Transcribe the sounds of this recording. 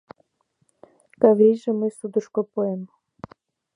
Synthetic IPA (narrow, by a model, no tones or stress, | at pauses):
kaβɾiʒĕməsud̪əʃkopoem